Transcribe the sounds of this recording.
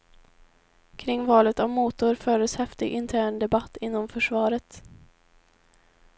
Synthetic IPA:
kʰɾɪŋvɑːlət̪avmuːt̪ʊɾfœːɖəshɛft̪ɪɡʔɪnt̪ʰæːɳd̪ɛbat̪ːɪnːɔmfœʂvɑːɾət̪

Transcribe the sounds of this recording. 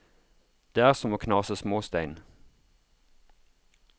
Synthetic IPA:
d̪̥eːæːʁsɔmoːkʰnɑːsəsmoːst̪æɪn

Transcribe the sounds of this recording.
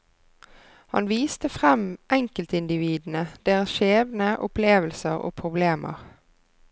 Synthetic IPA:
hɑ̰nʋiːst̪əfʁɛmʔɛŋkəlt̪ɪnd̪ɪʋiːd̪n̩əd̪̥eːʁəsʃeːʋnəʔʊpleːʋəlsəʁo̰ːpʰʁʊbleːmʔə̰ʁ

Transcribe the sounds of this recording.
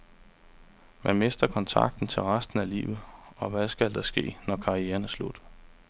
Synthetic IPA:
mænme̝sd̥ɐkʰɒ̽nt͡sʰɑ̈ɡ̥̚d̥n̩t͡sʰe̝lʁasd̥n̩ælḭːʊð̩ˠɒ̽ʋæsɡ̥æld̥ɑsɡ̥e̝̰ːnɒkʰɑ̈ʁieːɐnæɐslud̥

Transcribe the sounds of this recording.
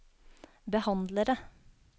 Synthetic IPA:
bəhɑnd̪ləɾə

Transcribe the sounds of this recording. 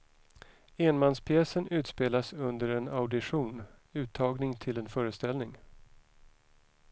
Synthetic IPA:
eːnmanspʰjɛːsənʉ̟ːt̪speːlasɵnd̪əɾɛnaʊd̪ɪɧuːnʉ̟ːt̪ʰːɑːɡnɪŋt̪ʰɪlɛnfœːɾəst̪ɛlnɪŋ

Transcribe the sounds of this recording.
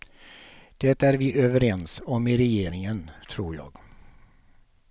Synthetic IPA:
d̪̥ɛt̪ːæɾvɪʔøːvəɾɛnsɔmɪɾɛjeːɾɪŋənt̪ʰɾuːɾjɑ̰ːɡ

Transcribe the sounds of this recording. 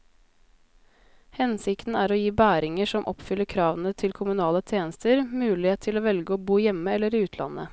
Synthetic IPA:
hɛnsɪkt̪n̩æːɾoːjiːbæːɾɪŋəʂɔmʔɔpfʏlːəɾkʰɾɑːʋənət̪ʰɪlkʰʊmʉnɑːlət̪ʰjeːnəst̪ʰəɾmʉːlɪeːt̪ʰɪloːʋɛlɡəoːbuːjɛmːəɛlːəɾiːʉːt̪ʰlɑ̰nːə̰

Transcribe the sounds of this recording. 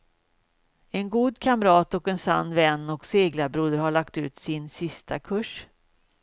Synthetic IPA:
ɛnɡuːd̪kʰamɾɑːt̪ɔkɛnsa̰nːvɛnːɔkseːɡlabɾuːd̪əɾhaɭakt̪ʉ̟ːt̪sɪnsɪst̪ʰakʰɵʂ

